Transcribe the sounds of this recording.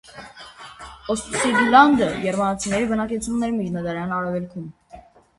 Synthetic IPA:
ɔst̪usiɡilɑnd̪əjɛɾmɑnɑt͡sʰinɛɾibənɑkɛt͡sʰumnɛɾmid͡ʒnɑd̪ɑɾjɑnɑɾɛvɛlkʰum

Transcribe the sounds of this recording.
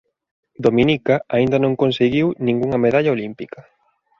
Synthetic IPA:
d̪omĩnikaaind̪ɐnõŋkonseɣiwnĩŋɡuŋɐmeðaʎɐolimpikɐ

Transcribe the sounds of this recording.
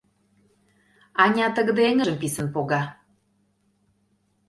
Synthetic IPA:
ɑnʲɑt̪ə̆ɣd̪eŋə̆ʒə̆mpisə̆npoɣɑ

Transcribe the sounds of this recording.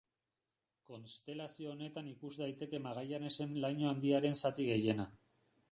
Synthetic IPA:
ko̞nst̪e̞lasio̞ːne̞t̪anikuzd̪ajt̪e̞ke̞maɣ̞ajane̞se̞nlajɲo̞and̪iaɾe̞nsat̪iɣe̞je̞na

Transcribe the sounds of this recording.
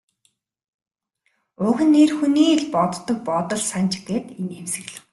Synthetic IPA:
ʊːxɘ̆nːeːrxuniːɮpɔt̪ːɞ̆k̚pɔt̪ɞ̆ɮsant͡ɕɪ̆ɡeːt̪enemsɘ̆ɣɮɘ̆w

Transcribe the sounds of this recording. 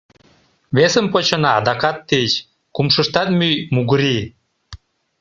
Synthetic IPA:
βesəmpot͡ɕɤnɑːd̪ɑkɑt̪ːet͡ɕ | kumʃəʃt̪ɑt̪myjmuɣəɾi

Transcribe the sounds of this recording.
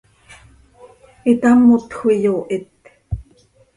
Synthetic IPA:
it̪amːot̪xʷijoːʔit̪

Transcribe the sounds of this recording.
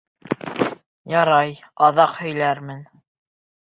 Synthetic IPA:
jɑɾɑjɑðɑqhɵ̆jlæɾmɘn

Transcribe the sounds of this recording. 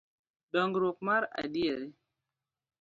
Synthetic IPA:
dɔŋɡɾok̚maɾa̰dieɾe

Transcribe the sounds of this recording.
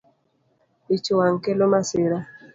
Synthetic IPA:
it͡ʃowaŋkelomasɪɾa

